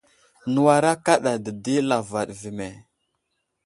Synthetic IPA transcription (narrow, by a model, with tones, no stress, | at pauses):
nu˨wa˨ɾa˦ka˦ɗa˨də˨di˦la˨va˨ɗvi˨me˨